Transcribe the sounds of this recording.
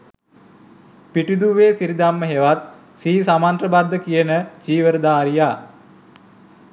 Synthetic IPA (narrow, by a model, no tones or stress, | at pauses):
piʈid̪uʋeːsiɾid̪amːəɦeʋat̪̚ | siːsamant̪rəbad̪ːəkijənəd͡ʒiːʋəɾəd̪aːɾijaː